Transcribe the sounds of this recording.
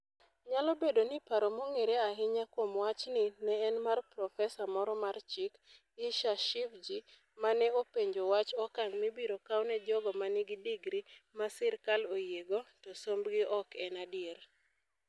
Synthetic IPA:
ɲalɔbedonɪpaɾomoŋeɾeaɦɪɲakwomwat͡ʃnɪnɛːnmarpɾɔfɛsamɔɾɔmart͡ʃɪk | ɪʃaʃɪfd͡ʒi | manɛopeɲd͡ʒowat͡ʃɔkaŋmibiɾokawnɛd͡ʒɔɡɔmanɪɡɪdiɡɾimasɪɾkalojeɡotosombɡɪʔɔkʰɛnadɪeɾ

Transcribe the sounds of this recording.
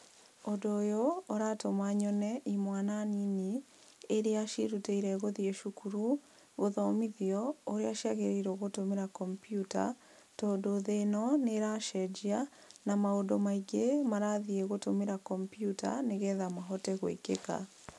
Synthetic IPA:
odoːjooɾatomaɲɔnɛimwananini | eɾeaʃḭɾuteiɾɛɣoðieʃukuɾu | ɣoðɔmiðiɔoɾeaʃjaɣeɾeɾoɣotomeɾakɔmpjuta̰ | tɔːdoðenɔneɾaʃɛd͡ʒia | namaodomaiɡemaɾaðieɣotomeɾakɔmpjutʰa̰neɣɛðamaɦɔtɛɣwḛkeka̰

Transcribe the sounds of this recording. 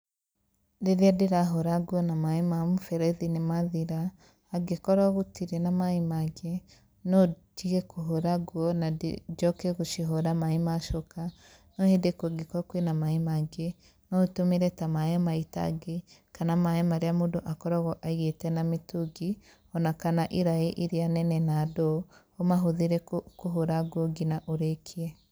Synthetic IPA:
deɾeadeɾaɦoɾaɡwɔnamaemamufɛɾɛðinemaðiɾaː | ɡekɔɾaɣotiɾenamaemaɡe | nɔd͡ʒiɣɛkoɦoɾaɡwɔna̰d͡ʒɔkɛɣoʃiɦoɾamaemaʃoka | nohedekoɡikokwenamaimaɡe | notumiɾetamaemaita̰ɡekanamaemaɾiamudoʔakɔɾɔɣoʔaɣetenamituɡi | ɔnakanaʔiɾaiʔiɾianɛnenadohomaɦuðiɾekuɦoɾaɡwoɡinaʔuɾekʰie

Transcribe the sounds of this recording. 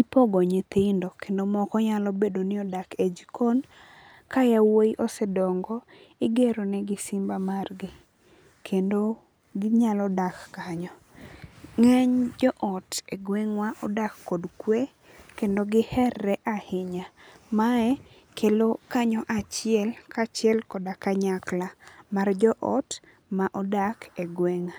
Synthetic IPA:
ipɔɡɔɲet̪ɪndokʰendomɔkɔɲalɔbedonɪɔdaked͡ʒikʰon | kajawoiʔɔsɛdɔŋɡɔ | ɪɡeɾonɛɡɪsɪmbamarɡɪ | kʰendo | ɡɪɲalɔdakːaɲɔ | ŋɛɲd͡ʒɔʔɔtɛɡweŋwaʔɔdakːodkwe | kendoɡɪhɛrːɛʔahɪɲamaɛ | kʰelokaɲɔʔat͡ʃɪɛlkat͡ʃɪɛlkɔdakaɲaklamard͡ʒɔʔɔ̰t | maʔɔdakɛɡweŋa

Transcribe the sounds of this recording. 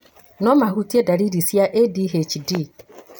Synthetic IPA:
nɔmaɦutiedaɾiɾisiaʔediɦet͡ʃidi

